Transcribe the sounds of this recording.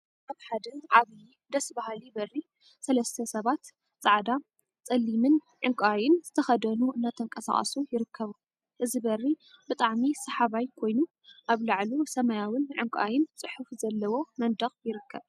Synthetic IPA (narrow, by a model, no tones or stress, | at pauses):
ʔaβħad̪ɨnʕaβjid̪ɐsbahalibɐrːi | sɐlɐst̪ʰɐsɐβat̪ | t͡sʼaʕd̪a | t͡sʼɐlːimɨn | ʕɨŋkʼajɪnz̥ɨt̪ʰɐxɐd̪ɐnuʔɨnːat̪ʰɐŋkʼɐsa̰χʼɐ̰sujɪɾɨkʰːɐβu | ʔɨzibɐrːi | bɨt̪ʼaʕmisɐħaβajkʰo̞jnu | ʔaβlaʕlusɐmɐjawɨnʕɨŋkʼʔajɪnt͡sʼɨħufzɐlːɐwo̞mɐnd̪ɐχʼjɪɾɨkʰːɐβ